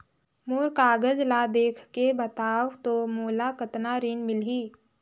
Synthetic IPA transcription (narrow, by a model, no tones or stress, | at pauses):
moːɾkaːɡəd͡ʒlad̪eːkʰkebət̪aːwt̪omoːlakət̪naɾinmɪlɦiː